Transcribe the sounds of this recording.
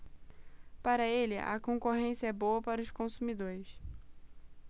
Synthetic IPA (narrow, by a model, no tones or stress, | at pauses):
paɾɐelɪʔɐ̰kõkoɦẽsjɐɛbowɐpaɾɐʊʃkõsumid̪oɾɪs